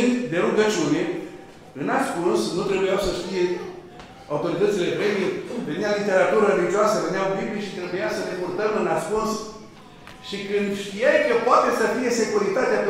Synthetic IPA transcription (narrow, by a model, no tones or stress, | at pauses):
nd̪d̪e̞ɾuɡət͡ʃiune | ɨnaskunsnut̪ɾe̞bujawsəʃt̪ije̞ | awut̪o̞ɾit̪ət̪sile̞pɾemieve̞nialit̪e̞ɾat̪uɾərelit͡ʃoasəvenjawbibliʃit̪ɾe̞bujasəne̞kurt̪əmɨnaskuns | ʃikɨnd̪ʃt̪ijajkəpoat̪e̞səfije̞se̞kuɾit̪at̪eap